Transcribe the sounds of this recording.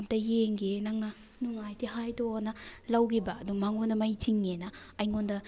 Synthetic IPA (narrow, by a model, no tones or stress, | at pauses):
p̚tɐjeŋɡenaŋnɐ | nuŋajtiɦajtoanɐlawkʰibɐːduŋmaŋondɐmajt͡ʃiŋːenɐːjŋondɐ